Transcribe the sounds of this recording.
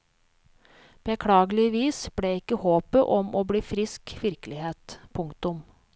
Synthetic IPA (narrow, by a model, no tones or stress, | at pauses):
b̥ɛkʰɽɑːɡəlɪʋiːsb̥ɽeːɪkːəhoːpəʔɔmʔoːbɽiːfɾɪskʋɪɾkəlɪheːt̪pʰʊŋkt̪ʊm